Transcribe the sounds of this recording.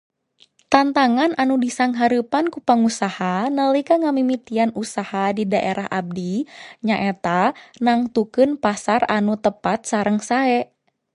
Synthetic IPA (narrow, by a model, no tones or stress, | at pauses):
t̪ant̪aŋanʔanudisaŋɦaɾɨpankupaŋusahanəlikaŋamimit̪ianusahadidaʔeɾʔaɦa̰b̚diɲaʔɛt̪anaŋt̪ukɨnpasaranut̪əpat̪̚saɾəŋsaɛ